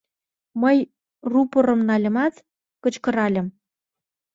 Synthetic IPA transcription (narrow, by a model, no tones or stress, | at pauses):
məj | rupoɾə̆mnɑlʲə̆mɑt̪ | kət͡ɕkə̆ɾɑlʲə̆m